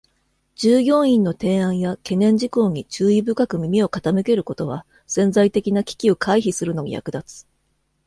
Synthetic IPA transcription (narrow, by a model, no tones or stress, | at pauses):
d͡ʑɨːjʲõ̞ɰ̃ĩnːo̞t̪ẽ̞ːãɰ̃jake̞nẽ̞ɲ̟d͡ʑiko̞ːɲ̟it͡ɕɨːibɯ̟kakɯ̟mʲimʲio̞kat̪anɯ̟ke̞ɾɯ̟ko̞t̪o̞βa̰ | sẽ̞nd͡zait̪e̞kʲinakʲi̥kʲio̞kʰaiçisɨɾɯ̟no̞ɲḭja̰kɯ̟d̪at͡sɨ̥